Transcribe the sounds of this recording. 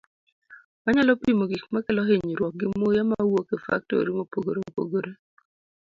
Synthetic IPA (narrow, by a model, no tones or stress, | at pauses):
maɲalɔpimoɡik̚makelɔɦeɲiɾwɔk̚ɡɪmojamawokefa̰k̚to̰ɾimopoɡoɾopo̰ɡoɾe